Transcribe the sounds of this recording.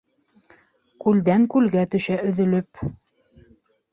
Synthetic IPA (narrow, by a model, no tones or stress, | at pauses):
kʉld̪æŋkʉlɡæt̪ɵ̆ʃæʔɵ̆ðɵ̆lɵp